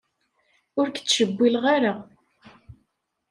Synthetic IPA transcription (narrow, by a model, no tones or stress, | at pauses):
ʊɾkə̥t͡sːʃəbːilʁaɾa